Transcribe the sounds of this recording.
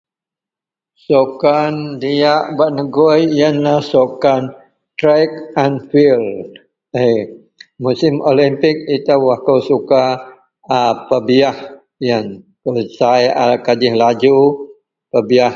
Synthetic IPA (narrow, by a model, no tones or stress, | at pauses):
sokandijaʔbaʔnəɡɔjjanlahsokan | t̪ɾajkanfil | e | musɪmolimpɪk̚it̪awahkawsuka | pəbiah | jan | pəsajakad͡ʒɪhlad͡ʒu | pəbiah